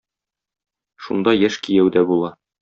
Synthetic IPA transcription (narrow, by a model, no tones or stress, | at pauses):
ʃṵnd̪ɑjæʃkijæwd̪æbulˠɑ